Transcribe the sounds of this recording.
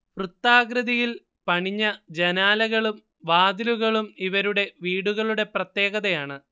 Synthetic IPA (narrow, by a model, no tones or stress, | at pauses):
prut̪ːaːɡɾɐðijil | pɐɳiɲːɐd͡ʑenaːlɐɣɐɭum | ʋaːd̪iluɣɐɭumiʋɐɾuɽe̞ʋiːɽuɣɐɭuɽe̞prɐt̪ːje̞ːɣɐðɐjaːɳɨ